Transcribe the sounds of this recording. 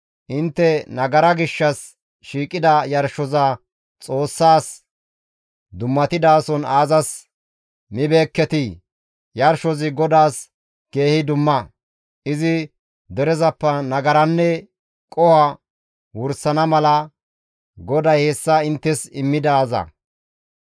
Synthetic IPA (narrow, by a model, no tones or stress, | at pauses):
ʔɪnt̪ːɛnɐɡɐɾɐɡɪʃːɐs | ʃiːkʼɪd̪ɐjɐɾʃɔzɐ | t͡sʼo̞ːsːaːs | d̪ʊmːɐt̪ɪd̪aːsɔnaːzɐs | mɪbe̞ːkːɛt̪i | jɐɾʃɔzɪɡɔd̪aːs | ke̞ːhɪd̪ʊmːɐ | ɪzɪ | d̪ɛɾɛzɐpːɐnɐɡɐɾɐnːɛ | kʼɔhɐ | wʊɾsɐnɐmɐlɐ | ɡɔd̪ɐjhesːɐɪnt̪ːɛsɪmːɪd̪aːzɐ̰